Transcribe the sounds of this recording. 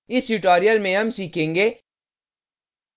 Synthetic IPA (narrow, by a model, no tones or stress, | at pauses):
ɪsʈuʈoːɾijəlmẽɦɐmsiːkʰẽːŋɡeː